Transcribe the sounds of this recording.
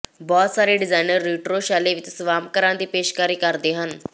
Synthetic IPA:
bɔːt̪saːɾeɖɪzaːɪnəɾːiːʈɾoʃaːleʋɪt̪sʋaːmkəɾãnd̪iːpeːʃkaːɾiːkaɾd̪eɦən

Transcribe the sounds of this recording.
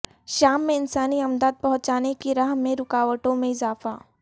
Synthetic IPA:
ʃaːmːẽɪnsaːniɐmd̪aːd̪̚pɐɦʊ̃t͡ʃaːnekiɾaːɦmẽɾʊkaːʋəʈõmẽɪzaːfa̰ː

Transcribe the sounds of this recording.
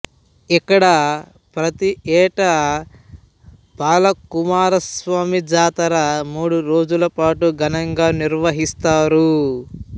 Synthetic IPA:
ikːɐɽɐ | pɾɐt̪iɛːʈɐ | baːlɐkumaːɾɐsʋaːmid͡ʒaːt̪ɐɾɐmuːɽuɾo̞ːd͡ʒulɐpaːʈuɡɐnɐŋɡaːniɾʋɐɦist̪aːɾu

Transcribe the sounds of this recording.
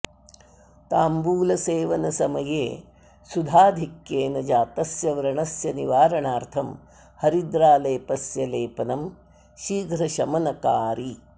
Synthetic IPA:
t̪aːmbuːlɐseːʋɐnɐsɐmɐjeː | sud̪ʱaːd̪ʱikjeːnɐd͡ʒaːt̪ɐsjɐʋɐɾɐɳɐsjɐniʋaːɾɐɳaːɾt̪ʰɐm | hɐɾid̪ɾaːleːpɐsjɐleːpɐnɐm | ʃiːɡɾɐʃɐmɐnɐkaːɾi

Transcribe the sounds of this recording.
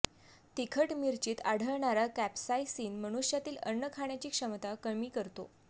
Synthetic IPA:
t̪ikʰəʈmiɾt͡ɕiːt̪aɽ̤ʱəɭɳaɾakæpsajsiːnməɽ̃uʂjat̪iːlənːəkʰaɳjat͡ɕiːkʂəmt̪akəmiːkəɾt̪o

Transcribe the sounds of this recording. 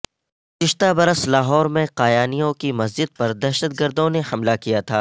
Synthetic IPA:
t͡ʃɪʃt̪abɐɾəslaːɦɔːɾmẽqaːjaːnijõkimɐs̬d͡ʒɪd̪̚pɐɾd̪ɐːʃət̪̚ɡɐɾd̪õnehɐmlakijat̪ʰaː

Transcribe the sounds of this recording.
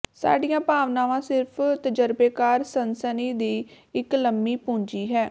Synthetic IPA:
sa̰ːɖijãːpaːʋnãːʋãːsɪɾpʰt̪əd͡ʒəɾbeːkaːɾsənsəniːd̪iː | ɪkləmːiːpʊ̃ːɲd͡ʒiːɦɛː

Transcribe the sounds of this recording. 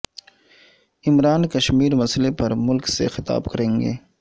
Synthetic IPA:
ɪmɾaːnkɐʃmiːɾmɐslepɐɾmʊlksḛxɪt̪a̰ːbkɐɾẽːŋɡḛː

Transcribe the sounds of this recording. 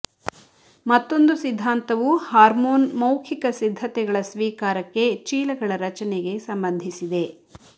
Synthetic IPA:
mɐt̪ːo̞nd̪usid̪ʱːaːnt̪ɐʋuhaːɾmoːnmɐwkʰikɐsid̪ʱːɐt̪ɛɡɐɭɐsʋiːkaːɾɐkːe̞t͡ʃiːlɐɡɐɭɐɾɐt͡ʃɐnɛɡe̞sɐmbɐnd̪ʱisid̪e̞

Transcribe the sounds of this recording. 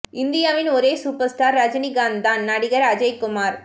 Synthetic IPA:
ɪnd̪ɪjaːʋɪnɔɾeːsuːpɐɾsʈaːɾːɐd͡ʒniɡaːnd̪aːnːɐɽɪɣɐɾɐd͡ʒɐɪkʊmaːɾ

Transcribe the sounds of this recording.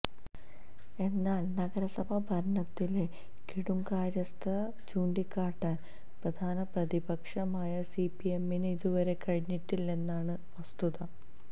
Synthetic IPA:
e̞nːaːlnɐɡɐɾɐsɐbʱɐbʱɐɾɳɐt̪ːile | kiɽuŋkaːɾjɐst̪ʰɐ | t͡ɕuːɳɖikːaːʈːaːn | prɐd̪ʱaːnɐprɐd̪ibɐkʂɐmaːjɐsipie̞mːinɨiðuʋɐɾe̞kɐɻiɲːiʈːilːe̞nːaːɳɨ | ʋɐst̪uðɐ

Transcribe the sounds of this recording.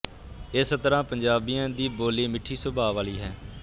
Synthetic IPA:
ɪst̪əɾãːpəɲd͡ʒaːbijãːd̪iːboːleːmɪʈʰːiːsʊbʱaːʋaːliːɦɛː

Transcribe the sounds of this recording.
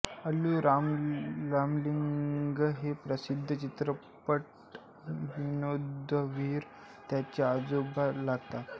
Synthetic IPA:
əluɾamɾamliŋɡəɦepɾəsid̪ʱːət͡ɕit̪ɾə | pəʈ | ʋinod̪ʱːəʋiːɾ | t̪jat͡ɕjaːd͡zobalaɡt̪a

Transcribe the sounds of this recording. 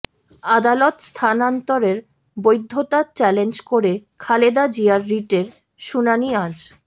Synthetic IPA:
ad̪alot̪st̪ʰanant̪oɾeɾ | bojd̪ʱːot̪at͡ɕɛlend͡ʑkoɾekʰaled̪ad͡ʑiaɾːiʈeɾ | ʃunaniad͡ʑ

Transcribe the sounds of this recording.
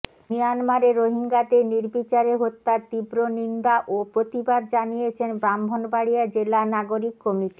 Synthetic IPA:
mijanmaɾeɾoɦiŋɡad̪eniɾbit͡ɕaɾeɦot̪ːaɾt̪ibɾonind̪aʔopɾot̪ibad̪d͡ʑanijet͡ɕʰenbɾambʱonbaɽijad͡ʑelanaɡoɾikːɔmiʈi̥

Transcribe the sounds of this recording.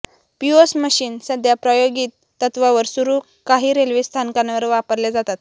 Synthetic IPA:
piosməɕiːnsəd̪ʱjapɾəjoɡiːt̪ːət̪ʋaʋəɾsuɾuː | kaɦiːɾelʋist̪ʰankanʋəɾʋapəɾled͡zat̪at̪̚

